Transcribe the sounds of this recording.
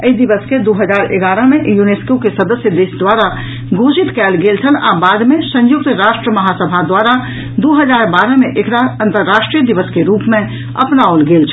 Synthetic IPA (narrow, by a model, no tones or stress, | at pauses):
əid̪iʋəsked̪oɦəd͡ʒaːɾeɡaːɾəmejuneskokesəd̪əsjəd̪eːsd̪waːɾa | ɡʱod͡ʒit̪kɛːlɡeːlt͡ʃʰəna̰baːd̪mẽsə̃jʊk̚t̪ɾaːʃʈɾəməɦasəbʱad̪waɾa | d̪oɦəd͡ʒaːɾbaːɾəmeʔekɾaə̃nt̪əɾːaːʃʈɾijəd̪iʋəskeɾuːpmẽ | ə̰pnaolɡeːlt͡ʃʰ